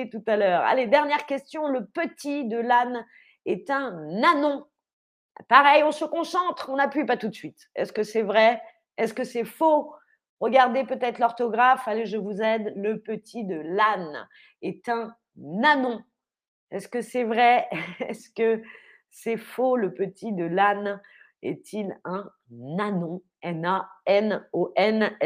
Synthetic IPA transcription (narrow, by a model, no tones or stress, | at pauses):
t̪ut̪alœːʁa̰led̪ɛʁnjɛʁkʲɛst̪jɔ̃ləpət̪id̪əlan | ɛt̪ɛ̃nanɔ̃ | paʁɛjɔ̃səkɔ̃sɑ̃t̪χɔ̃napɥipat̪ut̪sɥit̪ɛ̰skəsɛvʁɛ | ɛskəsɛfo | ʁəɡaʁd̪epət̪ɛt̪χlɔʁt̪ɔɡʁafaleʒəvuzɛd̪ləpət̪ʰid̪əlan | ɛt̪ɛ̃ | nanɔ̃ | ɛskəsɛvʁɛɛskə | sɛfoləpət̪id̪əlan | ɛ̰t̪ʰilɛ̃ | nanɔ̃ | ɛnaɛnoʔɛn